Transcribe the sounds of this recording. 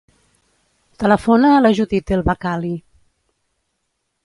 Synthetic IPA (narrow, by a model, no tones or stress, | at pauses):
t̪ələfonaːləʒuðit̪elˠβakali